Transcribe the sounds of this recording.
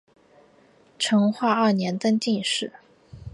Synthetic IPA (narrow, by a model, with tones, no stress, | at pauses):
ʈ͡ʂʰɤ˧˥ŋxwa˥˧ɐ˥˩njɛ˧˥nt̪ə˥ŋt͡ɕi˥˧nʂɻ̩˥˩